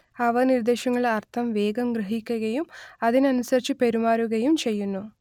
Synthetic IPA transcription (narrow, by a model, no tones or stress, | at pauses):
ɐʋɐnird̪eːɕɐŋːɐɭɐrt̪ʰɐmʋe̞ːɡɐmɡɾɨɦikʲːɐɣɐjumɐðinɐnusɐɾit͡ɕːɨpe̞ɾumaːɾuɣɐjumt͡ɕe̞jːunːu